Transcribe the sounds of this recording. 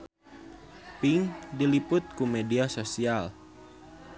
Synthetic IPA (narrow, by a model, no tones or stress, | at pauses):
piŋdilipʊt̪̚kumɛdiasosial